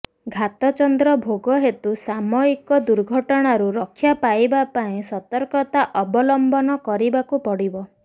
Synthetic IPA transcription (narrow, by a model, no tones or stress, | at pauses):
ɡʱat̪ɔt͡ʃɔnd̪ɾɔbʱoɡɔɦet̪usamɔikɔd̪uɾɡʱɔʈɔɽ̃aɾuɾɔkʰːjapajbapaĩsɔt̪ɔɾkɔt̪aʔɔbɔlɔmbɔnɔkɔɾibakupɔɽibɔ